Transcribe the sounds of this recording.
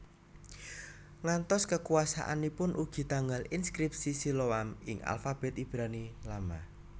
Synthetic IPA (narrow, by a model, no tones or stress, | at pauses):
ŋant̪ɔskəkuasa̰ʔa̰nipʊnʔuɡ̥i̤t̪aŋɡalinskɾip̚sisiloamɪŋa̰lfab̥ɛ̤t̪ib̥ɾanilama